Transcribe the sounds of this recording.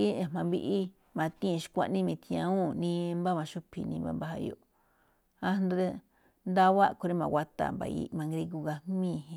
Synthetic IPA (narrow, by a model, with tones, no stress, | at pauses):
i˦e˨mã˧mβi˧ʔi˦ | mã˨˧t̪ĩ˦˧ʃi̥˧kʷa̰˧ʔnĩ˦mĩ˧t̪ĩ˧ã˧ũ˦nĩ˧mba˦mã˧ʃu˦pʰḭ˨nĩ˧mba̰˧mba˧ha̰˧jo̰˧˨ | a˦nd̪u˧ðe˦˧ | nd̪a˦βa˦ko˧ɾe˦mã˨wʷa˧t̪a̰˦˨mba̰˨ḭ˧mã˨˧ŋɡɾi˧ku˧ɣa˧mĩː˦˧˨hĩ˧